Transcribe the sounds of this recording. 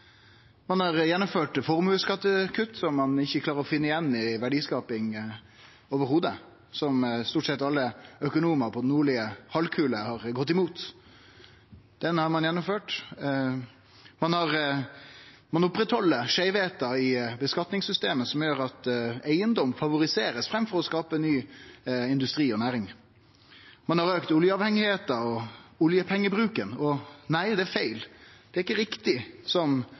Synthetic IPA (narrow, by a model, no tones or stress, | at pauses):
mɑnhɑʁjɛnːɔmføːʈfɔʁmʉləskɑt̪ːəkʰʉt̪ːsɔmːɑnɪçːəkʰlɑːɾəɾɔfɪnːəɪjɛnːɪʋæɖiːskɑːpɪŋ | oːʋəɾhuːd̪ə | sɔmst̪uːʈsɛt̪ːɑlːəœkʊnuːməɾpʰɔd̪ɛnːuːɭɪəhɑlkʰʉːləhɑʁɡɔt̪ːɪmuːt̪ | d̪̥ɛnhɑɾmɑnjɛnːɔmføːʈ | mɑnhɑʁ | mɑnʊpːɾɛt̪hɔlːəʂæɪʋeːt̪ɑɪbəskɑt̪nɪŋsʏst̪eːməsɔmjøːɾɑt̪æɪənd̪ɔmfɑʋʊɾɪseːɾəsfɾɛmfɔʁɔskɑːpənyːɪnd̪ʉst̪ɾiːɔnæːɾɪŋ | mɑnhɑɾøːkt̪ʊljəɑːʋhɛŋːɪheːt̪ɑɔʊljəpʰɛŋːəbɾʉːkənɔnæɪd̪ɛæɾfæɪld̪ɛæɾɪkːəɾɪkt̪ɪsɔm